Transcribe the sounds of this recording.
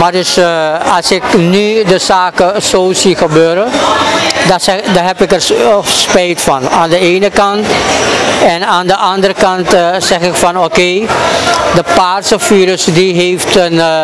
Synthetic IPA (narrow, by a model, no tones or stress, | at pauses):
maɹdʏsɑlˠsɪknydəzaːkəzoːsiχəbøːɾə | dɛdaɦɛpɪkərspɛjtfɑnaːndəeːnəkɑnt | ɛnaːndəʔɑndəɾəkɑntsɛχɪkfɑnokeː | dəpaːrsəfiːɾəsdiɦeːftən